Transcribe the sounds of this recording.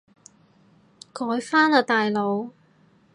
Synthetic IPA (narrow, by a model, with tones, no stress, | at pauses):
kɔː˨˥jfaː˥nlaː˨˧t̪aː˨jlo˨˧w